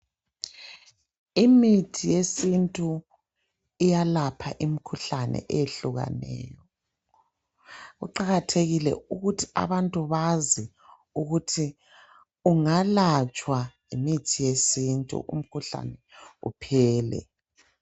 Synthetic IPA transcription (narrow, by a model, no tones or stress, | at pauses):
imitʰijesintʼu | ijalapʰaʔimikʰuɬanɛ̰ʔɛjeɬuɣa̰nɛ̰ːjɔ | ɣṵǃaɣatʰeɣilɛ̰uɣutʰi̥a̰βantʼuβazi | uɣutʰi | uŋalat͡ʃʼwa | imitʰijesintʼṵʔṵm̩kʰuɬa̰nɛṵpʰɛːlɛ̰